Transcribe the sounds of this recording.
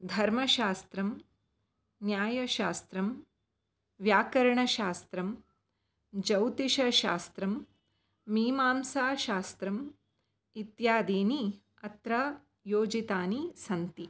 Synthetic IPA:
d̪ʱɐɾmɐʃaːst̪ɾɐm | njaːjɐʃaːst̪ɾɐm | ʋjaːkɐɾɐɳɐʃaːst̪ɾɐm | d͡ʒɐwt̪iʃɐʃa̰ːst̪ɾɐmː | iːmaːmsaːʃaːst̪ɾɐm | it̪jaːd̪iːni | ɐt̪ɾɐ | joːd͡ʒit̪aːnisɐnt̪i

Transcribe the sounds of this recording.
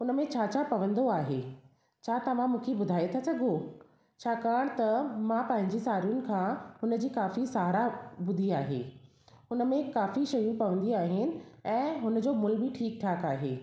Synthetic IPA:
ʊnəmẽt͡ɕʰaːt͡ɕapɐʋə̃nd̪oaːɦeː | t͡ɕʰaːt̪ɐʋ̤ãmũːkʰebʊd̪ʱaːet̪ʰasɐɡʱo | t͡ɕʰaːkaːɽ̃t̪ɐmãpɐ̃ɦɪ̃ɲ̆d͡ʑisaːɾijʊnɪ̆kʰãːɦʊnəd͡ʑiːkaːfisaːɾabʊd̪ʱiaːɦḛː | ʊnə̆mẽkaːfiʃɐjũpɐʋə̃nd̪iaːɦɪnɪ̆ɛ̃ːɦʊnə̆d͡ʑoːmʊlbɪʈʰiːk̚ʈʰaːkaːɦeː

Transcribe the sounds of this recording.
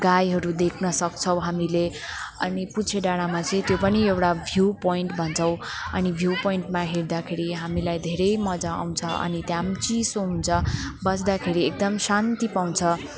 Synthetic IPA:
ɡajɦʌɾud̪ekʰnʌsʌk̚t͡sʰʌw̃ɦamileʌniput͡sʰeɖaɽamat͡sʌĩt̪jopʌniewʈabʱjupojɳʈbʱʌnt͡sʰʌ̃w̃ʌnibʱjupoiɳʈmaɦeɾd̪akʰeɾiɦamilajd̪ʱeɾʌjmʌd͡zaa̰w̃t͡sʰʌʔʌ̰nit̪jamt͡sisoɦunt͡sʰʌbʌsd̪akʰeɾiek̚d̪ʌmsant̪ipaw̃nt͡sʰʌ

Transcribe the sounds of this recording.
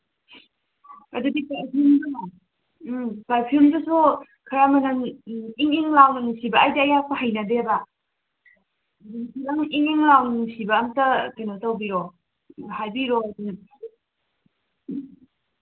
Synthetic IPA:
adudipaɾpʰimduna | paɾpʰilmdɯsu | kʰaɾamɐnaŋiŋiŋlawnaŋusibaajdaːjapʰahajnadeba | duŋpʰilaŋiŋiŋlawnusibaːŋtakajnɔtawbiɾɔ | hajbiɾɔaduna

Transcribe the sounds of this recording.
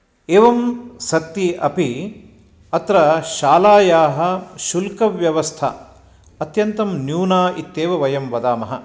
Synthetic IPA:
eːʋɐmsɐt̪jiɐ̰pi | ɐt̪ɾɐʃaːlaːjaːɦɐʃulkɐʋjɐʋɐst̪ʰɐ̰ | ɐt̪jɐnt̪ɐmnjuːnaːit̪ːeːʋɐʋɐjɐmʋɐd̪aːmɐɦɐ

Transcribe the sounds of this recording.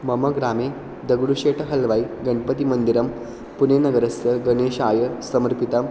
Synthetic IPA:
mɐməɡɾaːmeː | d̪əɡɽuɕeːʈʰəɦɐlʋaiɡɐɳpət̪imənd̪iɾɐm | punenɐɡəɾɐsəɡəneːʃaːjəsɐməɾpit̪ɐm

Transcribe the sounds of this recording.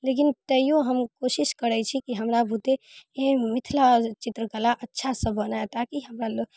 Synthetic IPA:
lek̬int̪əijoɦəmkosiskəɾɛt͡ʃʰikiɦəmɾabʱut̪eemit̪ʰlat͡ʃit̪ɾəkəlaʔətːʃʰasə̃bʱənaet̪akiɦəmɾaloɡ

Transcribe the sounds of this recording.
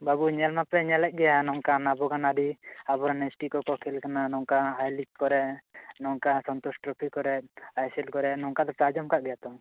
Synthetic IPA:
babuɲɛlmapɛɲɛlɛc̚ˀɡɛjanɔŋkanabɔɡanad̪iabɔɾanɛsʈikɔkɔkʰɛlkananɔŋkaɦajlikkɔɾɛʔnɔŋkasɔnt̪ɔsʈɾɔpʰikɔɾɛʔ̚ajsɛlkɔɾɛnɔŋkad̪ɔt͡ʃad͡ʒɔmkaʔɡɛjat̪ɔ

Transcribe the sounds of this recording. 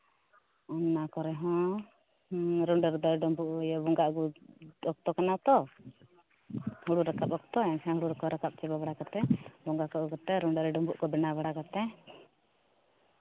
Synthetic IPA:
ɔnːakɔɾɛɦɔ̃ | ɾɔɳɖaɾd̪ɔɾɛɖɔmbuʔjɔbɔŋɡaʔɡuɔk̚t̪ɔkanat̪ɔ | hɔɽuɾakap̚ɔk̚t̪ɔɛnsɛ̃ɦuɽuɾɔkɔɾakap̚t͡ʃɛbaβaɽakat̪ɛbɔŋɡakɔukat̪ɛɾɔɳɖaɾɛɖɔmbuʔkɔbɛnaβaɽakat̪ɛ

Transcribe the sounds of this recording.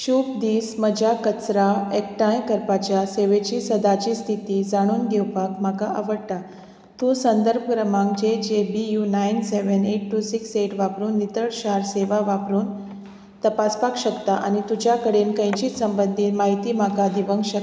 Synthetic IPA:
ɕub̚d̪iːsməd͡ʑakət͡sɾaek̚ʈãjkəɾpat͡ɕjaseʋet͡ɕiːsəd̪at͡ɕiːst̪ʰit̪iːd͡zaɽ̃uːnɡewpakm̤akaʔaʋəɽʈ̪a | t̪ũsənd̪əɾb̚ʱəkɾəmãŋk̚d͡ʑed͡ʑebijunajnseʋəneʈːusikseʈʋapɾuːnːit̪əɽɕaɾseʋaʋapɾuːn | t̪əpaspakɕəkt̪aʔa̰ñit̪ud͡ʑjakəɽenkə̃j̃t͡ɕiːsəmbənd̪ʱiːt̪maɦit̪iːm̤akad̪iʋəŋɡɕək

